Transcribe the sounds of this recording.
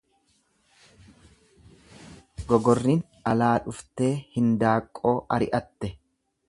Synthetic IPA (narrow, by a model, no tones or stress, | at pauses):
ɡɔɡɔrːin | ɐlaːᶑʊft̪e̞ːhɪnd̪aːkʼːo̞ːʔɐɾɪ̰ʔɐt̪ːɛ